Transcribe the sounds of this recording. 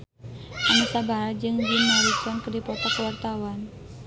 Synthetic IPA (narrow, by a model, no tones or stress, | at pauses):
ʔanusabaɾad͡ʒɨŋd͡ʒinːaɾit̪ɔnkədipɔt̪ɔkəwart̪awan